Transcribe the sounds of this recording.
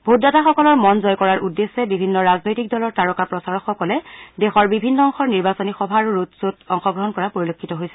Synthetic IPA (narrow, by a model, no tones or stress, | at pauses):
bʱot̚dataxɔkɔlɔɹmɔnzɔjkɔɹaɹʔudːesːɛbibʱinːɔɹaznojtik̚dɔlɔɹtaɹɔkapɹɔsaɹɔxɔkɔlɛdexɔɹbibʱinːɔɔŋxɔɹniɹbasɔnixɔbʱaːɹuɹutsotɔŋxɔɡɹɔɦɔnkɔɹapoɹilokʰːitɔɦojsɛ̥